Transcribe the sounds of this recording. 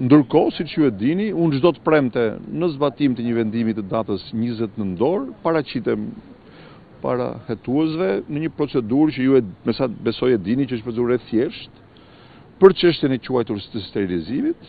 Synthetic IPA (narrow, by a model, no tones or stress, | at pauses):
nd̪əɾkɔsit͡ʃjuɛd̪iniunʒd̪ɔt̪əpɾɛmt̪ɛnəzbat̪imt̪əɲəvɛnd̪imit̪əd̪at̪əsɲizɛt̪nənd̪ɔɾpaɾat͡ɕit̪ɛm | pa̰ɾa̰hɛt̪uɛs̬vɛnəɲəpɾɔt͡sɛd̪uɾt͡ʃəjuɛmɛsabɛsɔjɛd̪init͡ʃəəʃbɛzuɾɛθjɛʃt̪ | pəɾt͡ʃəʃ̬t̪jɛnɛt͡ʃuajt̪uɾst̪əst̪ɛɾilizimit̪